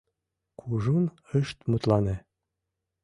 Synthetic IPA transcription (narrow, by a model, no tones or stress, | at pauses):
kʰuʒun | əʃt̪mut̪lɑne